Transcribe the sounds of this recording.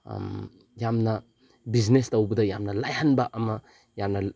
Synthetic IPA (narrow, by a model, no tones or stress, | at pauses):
jamnɐ | biznestɐwbɐdɐjamnɐlajhanbɐʔɐmɐ | jamnɐ